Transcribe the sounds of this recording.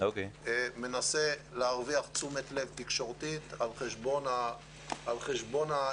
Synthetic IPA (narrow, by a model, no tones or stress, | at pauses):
okeeme̞naseleaʁviaχt͡sumet̪le̞vt̪ikʃo̞ʁt̪it̪alχeʃbo̞na | alχeʃbo̞na